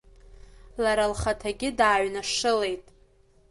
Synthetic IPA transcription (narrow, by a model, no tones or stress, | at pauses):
laɾalχatʰaɡʲɪdaːɥnaʂɨle̞jtʼ